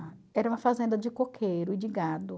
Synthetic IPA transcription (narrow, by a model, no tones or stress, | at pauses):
ɛɾɐũmɐfazẽnd̪ɐd͡ʒɪkokʰejɾʊɪd͡ʒɪɡad̪ʊ